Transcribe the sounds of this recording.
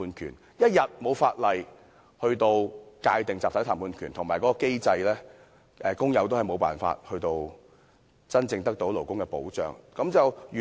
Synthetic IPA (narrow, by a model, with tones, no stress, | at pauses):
uː˧nkʰy̰ː˨˩n | jɐ˥t̚jɐ˨t̚mo˨˧wfaː˧t̚lɐ˨j | hɵ˧ɥt̪o˧wkaː˧jt̪ɪ˨ŋt͡saː˨t̪ɐ˨˥t̪ʰa˨˩pʰuː˨˧nkʰy˨˩nt̪ʰʊ˨˩ŋmaː˨˩jkɔː˨˥kɔ˧ke˥jt͡sɐ˧jlɛː˥ | ʔɛː˨kʊ˥ŋjɐ˨˥wt̪o˥hɐ˨jmo˨˧wpaː˨nfa̰ː˧t̚hɵ˧t̪o˧w | t͡sɐ˥nt͡sɪ˧ŋt̪ɐ˥k̚t̪o˨˥wlo˨˩wkʊ˥ŋkɛ˧po˨˥wt͡ʃœ̰ː˨ŋkɐ˨˥mt͡sɐ˨wjy˨